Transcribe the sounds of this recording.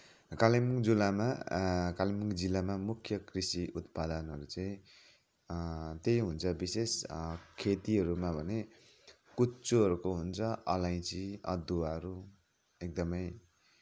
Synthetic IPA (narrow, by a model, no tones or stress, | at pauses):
kalimuŋd͡zulamakalimuŋd͡zilːamamukʰjʌkrisiʔut̪pad̪ʌnɦʌɾut͡saĩ | t̪ejɦunt͡sʰʌbiseskʰet̪iɦʌɾumabʱʌne | kut͡suɦʌɾukoɦunt͡sʰʌʌlaj̃t͡siʌd̪uaɾu | ek̚d̪ʌmʌj